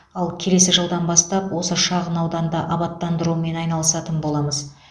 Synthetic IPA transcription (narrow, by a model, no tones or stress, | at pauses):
ɑlˠkʲʰe̞le̞sɪʒəlˠd̪ɑnbɑst̪ɑpwo̞səʃɑʁənɑwd̪ɑnd̪ɑʔɑbɑt̪ːɑnd̪əɾuəme̞nɑjnɑlˠəsɑt̪ənbo̞lˠɑməz